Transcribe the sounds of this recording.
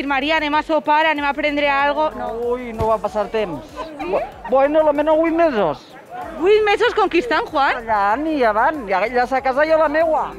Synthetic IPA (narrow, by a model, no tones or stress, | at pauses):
fiɾmaɾianemasopaɾanemapɾend̪ɾeaalɣ̞onoujnoβapasaɾt̪ems | bwenolomenowit̪mezos | ɡwit̪mesoskoŋkist̪aŋxwanʎaniaβanaʎasakazajolamewa